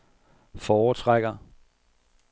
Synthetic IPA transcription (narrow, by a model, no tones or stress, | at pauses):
fɒːt͡sʰʁaɡ̥ɐ